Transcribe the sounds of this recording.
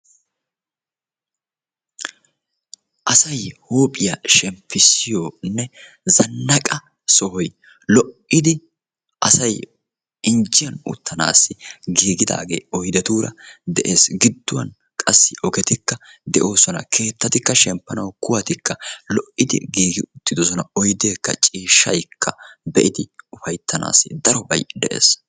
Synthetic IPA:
ʔɐsɐjhoːpʼɪjaʃɛmpʰːɪsɪjoːnːɛ | zɐnːɐkʼɐ | sɔhɔj | lɔʔɪd̪ɪ | ʔɐsɐj | ɪnd͡ʒɪjɐnʊ̰t̪ːɐna̰ːsːɪɡiːɡɪd̪a̰ːɡe̞̰ːɔjd̪ɛt̪uːɾɐ̰d̪ɛʔeːsɡɪd̪ːʊwɐ̰n | kʼɐsːɪʔɔɡɛt̪ɪkːɐd̪ɛʔo̞ːsɔnɐkʰe̞ːt̪ːɐt̪ɪkːɐʃɛmpːɐnɐwkʊwɐt̪ɪkːɐlɔʔɪd̪ɪ̰ɡiːɡɪʊt̪ːɪd̪ɔs̬ɔnɐɔjd̪e̞ːkːɐt͡ʃʼiːʃːɐ̰jkʰːɐbɛʔɪd̪ɪʊfɐjt̪ʰːɐna̰ːsɪd̪ɐɾɔbɐjd̪ɛʔḛːs

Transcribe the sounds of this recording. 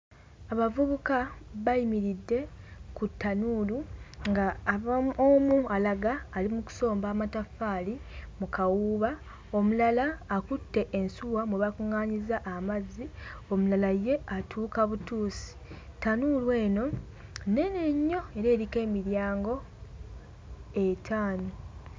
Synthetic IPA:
aβavuβukaβajimiɾidːe̞kutːanuːluŋɡaːβaomualaɡaːlimuku̥so̞ːmbaːmatafaːlimukawuːβa | o̞mulalaːkutːe̞ʔːnsuwamweβakuŋaːɲizaʔːmazːio̞mulalaje̞atʰuːkaβutuːsi̥tːanuːlwe̞ːno̞ | ne̞ne̞ɲːo̞e̞ɾe̞ːɾike̞ːmiɾjaːŋɡo̞ | etʰaːno

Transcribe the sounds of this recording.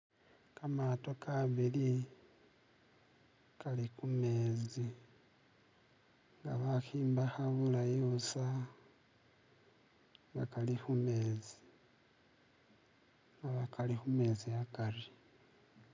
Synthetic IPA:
kamato̞kaβili | kalikume̞ːzi | ŋɡaβaxiːmbaxaβulajosa | ŋɡakalixume̞ːzi̥ | ŋɡaβakalixume̞ziakari

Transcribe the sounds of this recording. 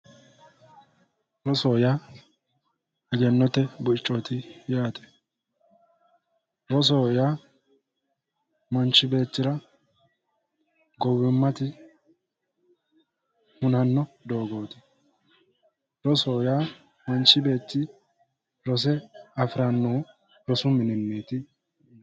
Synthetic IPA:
ɾɔsoːjaː | ɐd͡ʒɛnːɔt̪ːɛbʊɪt͡ʃʼːot̪ɪjaːt̪ɛ̥ | ɾɔs̬oːjaː | mɐnt͡ʃːɪbe̞ːt̪ːɪɾɐ | ɡɔwɪmːɐt̪ɪ | hʊnɐnːɔd̪o̞ːɡo̞ːt̪ɪ̥ | ɾɔsoːjaː | mɐnt͡ʃːɪbe̞ːt͡ʃːɪ | ɾɔs̬ɛɐfɪɾɐnːoː | ɾɔsʊmɪnɪnːeːt̪ɪ

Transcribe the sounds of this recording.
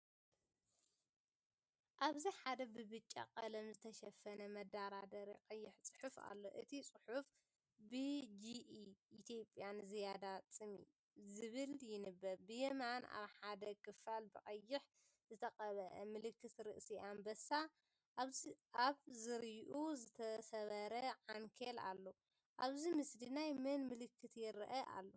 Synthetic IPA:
ʔaβziħad̪ɐbɨbɨt͡ʃʼːa̰qʼɐlɐmzɨt̪ʰɐʃɐfɐnɐmɐd̪aɾad̪ɐɾiqʼɐjːɪħt͡sʼɨ̥ħufa̰lːo̞̰ʔɨt̪ʰit͡sʼɨħuf | bɨd͡ʒiːt̪ʰjo̞pʼjanzijad̪at͡sʼɨmḭ | zɨβɨljɪnɨbːɐɾbɨjemana̰βħad̪ɐkʰɨfalbɨqʼɐjːɪħ | zɨt̪ʰɐqʼɐβɐʔɐmɨlɨkːɨt̪ɾɨʔsiʔambɐsa | βʔaβzɨɾjʔuzɨt̪ʰɐsɐβɐɾɐʕaŋkʰela̰lːo | ʔaβzimɨslinajmɨnmɨlɨkʰːɨt̪jɪɾʔɐʔa̰lːo

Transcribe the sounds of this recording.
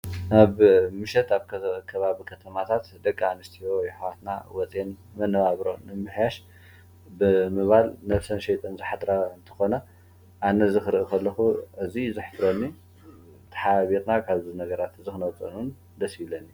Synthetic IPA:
ʔaβmɨʃɛt̪aβkkʰɐβaβikʰɐt̪ʰɐmat̪ʰat̪d̪ɐkʼːanɨst̪ʰijojɪħwat̪na̰wɔt͡sʼen | mɐnːɐβaβɾonɨmmɨħjaʃ | bɨmɨβalnɐβsɐnʃɛjt̪ʼʰɐnzɨħad̪ɾaɨnt̪ʰɨ̥xo̞nɐ | ʔanɐzɨxɨɾʔikʰɐlːɐxuʔɨzizɨħd̪ɾonːi | t̪ʰɐ̥ħaβiɾnakʰaβzunɐɡɐɾat̪ɨzixɨnɐwt͡sʼɐnun | d̪ɐsilːɐnːi

